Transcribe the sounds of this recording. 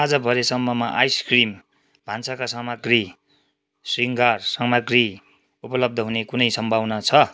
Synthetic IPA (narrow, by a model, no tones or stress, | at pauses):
ad͡zʌbʱʌɾesʌmːʌmaʔajskrim | b̥ʱansakasʌmaɡri | siŋɡarsʌŋmaɡri | upʌlʌb̚d̪ʱʌɦunekunʌjsʌmbʱawnʌt͡sʰʌ